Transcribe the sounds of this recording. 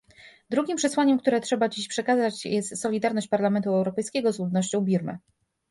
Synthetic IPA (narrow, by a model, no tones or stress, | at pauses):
d̪ɾuɡʲimpʂɛswaɲɛmkt̪uɾɛtʂɛbad͡ʑiɕpʂɛkazat͡ɕjɛst̪sɔlʲid̪aɾnɔɕt͡ɕpaɾlamɛnt̪uɛwɾɔpɛjskʲɛɡɔzlud̪nɔɕt͡ɕɔ̃w̃bʲiɾmɘ̰